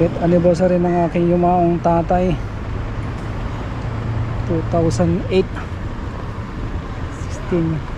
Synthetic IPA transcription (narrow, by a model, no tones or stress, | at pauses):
ɛt̪ɐnɪbɛɾs̬ɐɾinɐŋʔaːkɪŋjʊmaːʔoŋt̪aːt̪ɐj | t̪ut̪awsɐnd̪ɛjt̪̚ | sɪ̥kst̪ɪn